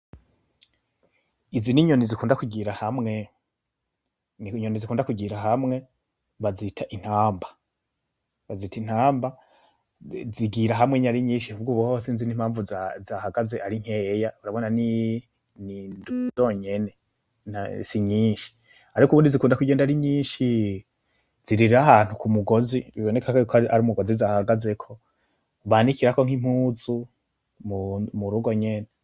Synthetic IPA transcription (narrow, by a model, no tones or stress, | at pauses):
iziniɲo̞nizikuːndakuɟiɾahamŋe̞ | nɲo̞nizikuːndakuɟiɾaɦamŋe̞ | βazitʰaʔin̥haːmba | βaziːtin̥aːmba | ziɡiɾaɦamŋeɲaɾiɲiːʃivuɡuβohosinzinimhaːɱvuzahaɡaze̞ʔaɾiŋ̥ejauɾaβonani | niduzoɲe̞ne̞ | nasiɲiːʃi̥ | aɾikuβuːndizikuːndakuɟeːndaɾiɲiːʃi | z̥iɾiɾiɾaɦan̥hukumuɡo̞ziβiβonekʰakkaɾimuɡozizahaɡaze̞kʰo̞ | βaːnikiɾakoŋ̥im̥huːzu | mumuɾuɡo̞ɲene